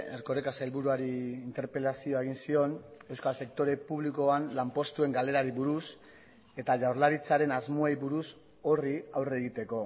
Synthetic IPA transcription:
ḛɾko̞ɾekasajlβuɾuaɾiːnt̪e̞ɾpe̞lasio̞eɣ̞insio̞ne̞wskalse̞k̚t̪o̞ɾe̞puβliko̞anlampo̞st̪ue̞ŋɡale̞ɾaɾiβuɾus | e̞t̪aʝawɾlaɾit͡saɾe̞nazmoejβuɾus | o̞riawre̞ɣit̪e̞ko̞

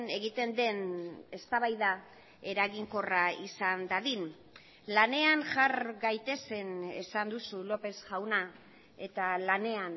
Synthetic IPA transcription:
ne̞ɣit̪e̞nd̪e̞ne̞st̪aβajða | e̞ɾaɣiŋko̞raisand̪aðin | lane̞anʝaɾɡajt̪e̞se̞ne̞̰sand̪usulo̞pe̞sʝawna | e̞t̪alane̞an

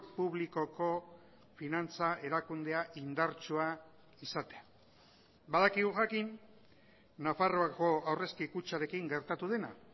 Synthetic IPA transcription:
puβliko̞ko̞ | finant͡sae̞ɾakund̪e̞aʔind̪aɾt͡ʃua | isat̪e̞a | baðakiɣuʝakinː | afaroako̞awre̞skikut͡ʃaɾe̞kiŋɡe̞ɾt̪at̪uðe̞na̰

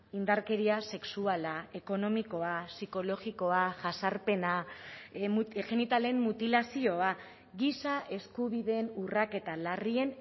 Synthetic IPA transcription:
ind̪aɾke̞ɾiase̞ksualae̞ko̞no̞miko̞asiko̞lo̞ɣiko̞aʝasaɾpe̞na | ʝe̞nit̪ale̞mːut̪ilasio̞a | ɡisaʔe̞skuβiðe̞nurake̞t̪alarie̞n

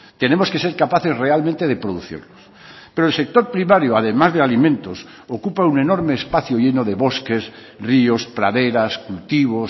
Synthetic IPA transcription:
t̪e̞nemoskese̞ɾkapaθezrealmẽnt̪eð̞epɾoðuθḭɾlos | pe̞ɾoelsek̚t̪o̞ɾpɾimaɾjoaðemazðealimẽnt̪os | okupaune̞no̞ɾmeːspaθjoʎenoðe̞βo̞skes | riospɾa̰ðeɾaskult̪iβ̞os

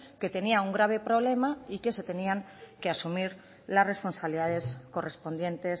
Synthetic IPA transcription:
ke̞t̪e̞niauŋɡɾaβ̞e̞pɾo̞β̞le̞maike̞se̞t̪e̞niaŋ | ke̞asumiɾ | lasre̞spo̞nsaβliðaðe̞sko̞re̞spo̞nd̪jẽ̞nt̪e̞s

